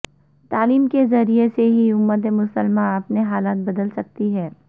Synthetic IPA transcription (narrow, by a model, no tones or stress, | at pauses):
t̪aːliːmkezɐɾieseɦiʊmːət̪̬emʊsəlmãɐpneɦaːlaːt̪̚bɐd̪əlsɐk̚t̪iɦɛː